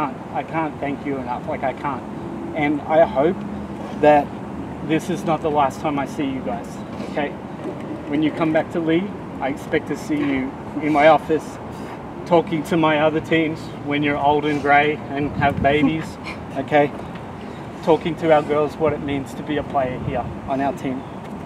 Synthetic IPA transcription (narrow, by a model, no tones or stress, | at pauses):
æ̃ntaɪkʰæ̃nθæ̃ŋkʰjɨɨnʌflaɪkaɪkʰæ̃nt̚ | ɨ̃na̰ɪhoʊp̚ | ðɨt̪̚ | ðɪsɨznət̪̚ðəlæstʰãɪ̃maɪsijɨɡaɪz̥ | oʊkʰeɪ | wɨ̃njɨkʰʌ̃mbæk̚tʰəli | ʔaɪɨkspɛk̚tʰɨsijʉ | ɨ̃nmaɪɔfɨs | tʰɔkɪ̃ŋtʰɨmaɪʌðə˞tʰĩmz̥ | wɨ̃njə˞oʊlˠdɨ̃nɡɹeɪɨ̃nɨvbeɪbiz̥ | oʊkʰeɪ | tʰɔkɪ̃ŋtʰɨaʊə˞ɡɜ˞lˠzwʌɾɨt̚mĩnz̥tʰɨbiɨpʰl̥eɪə˞hiɹ | ə̃naʊə˞tʰĩm